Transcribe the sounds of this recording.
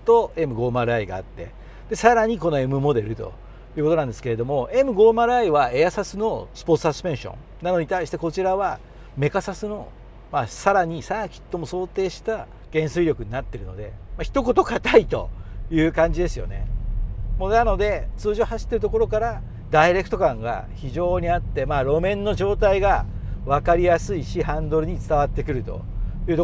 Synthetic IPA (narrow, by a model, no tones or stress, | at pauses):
t̪o̞e̞mɯ̟ɡo̞ːmaɾɯ̟aiɡa̰ːt̪ːe̞̰ | d̪̥e̞saɾaɲ̟iko̞no̞e̞mɯ̟mo̞d̪e̞ɾɯ̟t̪o̞̰ | jɯ̟ːkot̪oãnd̪eske̞ɾe̞d̪o̞mo̞e̞mɯ̟ɡo̞ːmaɾɯ̟aiβae̞jasasɨno̞sɨ̥po̞t͡sɨ̥asɨ̥pẽ̞ɰ̃ɕõ̰ŋ | nano̞ɲ̟it̪aiɕi̥t̪e̞ko̞t͡ɕiɾaβa | me̞kasasɨno̞ | masaɾaɲ̟isakʲi̥t̪ːo̞mo̞so̞ːt̪e̞ːɕi̥t̪a | ɡ̥ẽ̞ɰ̃sɨiɾʲo̞kɯ̟ɲ̟inat̪ːe̞ɾɯ̟no̞̰d̪e̞̰maçʲi̥t̪o̞ko̞t̪o̞kat̪ait̪o̞̰jɯ̟ːkãɲ̟d͡ʑid̪e̞sɨjo̞̰ne̞̰ | monano̞d̪e̞t͡sɨːʑo̞ːɦaɕi̥t̪ːe̞ɾɯ̟t̪o̞ko̞ɾo̞kaɾa | d̪aiɾe̞kɯ̟̥t̪o̞kãŋɡa̰ | çiʑo̞ːɲ̟iat̪ːe̞maːɾo̞mẽ̞nːo̞ʑo̞ːt̪aiɡaβakaɾʲijasɨiɕihãnd̪o̞ɾɯ̟ɲ̟it͡sɨ̥t̪aβat̪ːe̞kɯ̟ɾɯ̟t̪o̞̰jɯ̟ːt̪o